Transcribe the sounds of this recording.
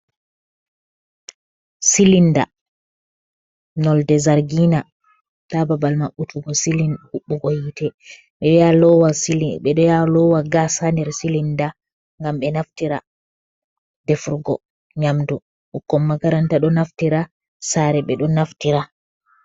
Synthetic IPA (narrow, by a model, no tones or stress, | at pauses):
silinda̰ | nɔldɛzaɾɡina | tababalmaɓːutʰuɡɔsilinuɓːuɡojitʰɛ | ɓɛjalɔwasiɓɛɗɔjalɔwaɡasandɛɾsilinda | ŋɡamɓɛnaftiɾa | d̥ɛfuɾɡɔ̰ | ɲamdu | ʔukːɔmːaɡaɾantaɗɔnaftiɾa | saɾɛɓɛɗɔnaftiɾa